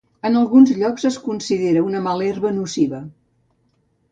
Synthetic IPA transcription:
ənəlˠɣunzʎɔkzəskunsiðeɾəunəmalɛɾβənusiβə

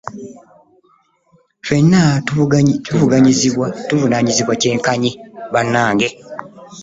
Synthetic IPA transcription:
twe̞nːa | tuvuɡaɲizatuvunaːɲiziβwace̞ːŋkaɲiβanːaːŋɡe

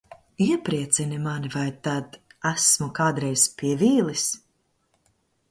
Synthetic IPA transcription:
iɛpɾiɛt̪sinimanivajt̪ad̪æsmukaːd̪ɾɛjspʲiɛviːlˠis

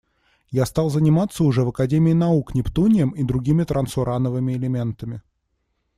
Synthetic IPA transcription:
jast̪alˠzənʲɪmat̪sːəʊʐɛvəkɐdʲemʲɪːnɐuknʲɪpt̪unʲɪjəmid̪ɾʊɡʲimʲɪt̪ɾʔənsʊɾʔanəvɨmʲɪɪlʲɪmʲe̞nt̪əmʲɪ

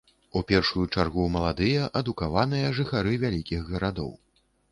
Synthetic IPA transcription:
upʲɛrʂujut͡ʂarɣumɐlˠad̪ɨjɐʔɐd̪ukavanɨjɐʐɨxaɾɨvʲalʲikʲiɣɣɐɾad̪ɔ̰w

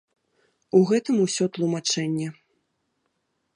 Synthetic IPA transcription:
uɣɛt̪ɨmusʲɔt̪lˠumat͡ʂɛnʲːɛ

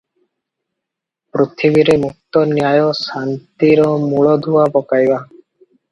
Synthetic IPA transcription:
pɾut̪ʰibiɾemuk̚t̪ɔnjajɔsant̪iɾɔmuɭɔd̪ʱuabɔkajba

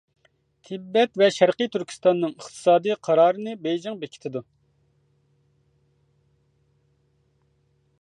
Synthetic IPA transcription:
t̪ʰɪbːɛt̪vɛʃæɾqɨjt̪ʰyɾkʲʰi̥st̪ɑnːɨŋəχt̪ʰɨ̥sɑːd̪ijqʰɑɾɑːɾɨnɨbejd͡ʒɪŋbekʲʰi̥t̪ʰɪd̪u

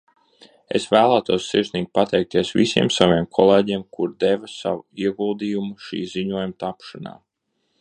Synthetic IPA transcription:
ḛsvæːlˠaːt̪uɔsːiɾsniːɡ̚ʲpat̪ɛjk̚t̪iɛsvḭsḭɛmsaviɛmkʰɔlˠeːɟiɛmkuɾd̪evasa̰wuiɛɡulˠd̪iːjumuʃḭːziɲuɔjumt̪apʃana̰ː

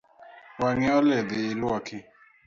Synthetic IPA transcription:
waŋɛɔlɛd̪ɪːlwɔkʰɪ

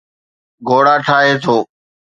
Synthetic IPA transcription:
ɡʱoːɽaːʈʰaːɦeːt̪ʰoː

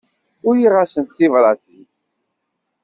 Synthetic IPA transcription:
ʊɾjiʁasənt̪θivɾˤɑθi

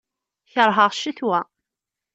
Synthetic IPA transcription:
çəɾˤɦəʁʃiθwæ

